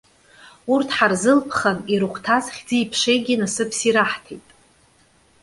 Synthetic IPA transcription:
urtʰħarzɨlpʰχaniɾɨχʷʰtʰazχʲd͡ziːpʰʂejɡʲɪnasɨpʰsiɾaħtʰejtʼ

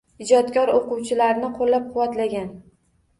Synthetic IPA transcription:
ɪd͡ʒɒt̪kʲʰɒɾoqʊwt͡ʃʰɪlaɾnɪqʰolːap̚qʰʊwat̪laɡʲan

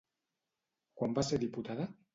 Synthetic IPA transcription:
kwambaseɾðiput̪aða

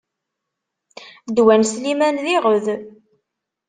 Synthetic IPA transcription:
d̪wænslimænðiʁəð

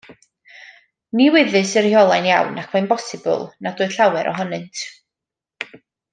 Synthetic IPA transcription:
niwɪðɨsərhjɔlˠajnja̰wnakʰwɛjnbɔsɪbʊ̰lˠnadʊːɨð̥ɬawɛɾʔɔ̰ɦɔnɨntʰ

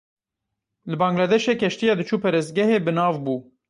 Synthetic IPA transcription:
lɨbɑːŋɡlad̪ɛʃeːkɛʃt̪ijɑːd̪ɨt͡ʃʰuːpɛɾɨsɡɛheːbɨnɑːvbuː

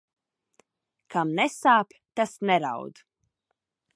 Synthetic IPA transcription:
kʰamnɛsaːpʲt̪asnɛɾa̰wd̪

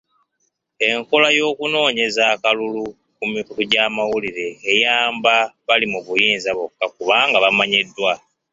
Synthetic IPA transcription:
e̞ŋko̞lajo̞ːkuno̞ːɲe̞zaːkalulu | kumikutuɟaːmawuliɾe̞ːjaːmbaβalimuβujiːnzaβokːakuβaːŋɡaβamaɲedːwa

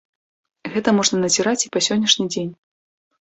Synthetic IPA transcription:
ɣɛt̪ɐmɔʐnɐnɐzʲiɾat͡sʲipɐsʲɔnʲːɐʂnʲid͡zʲenʲ

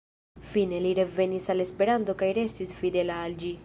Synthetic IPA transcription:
fine̞liɾevenisalespeɾant̪okajɾest̪isfid̪elaːld͡ʒi

